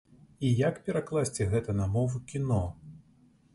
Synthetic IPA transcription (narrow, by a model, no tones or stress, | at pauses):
ijakpʲɛɾaklˠasʲt͡sʲɛɣɛt̪ɐnɐmɔvukʲinɔ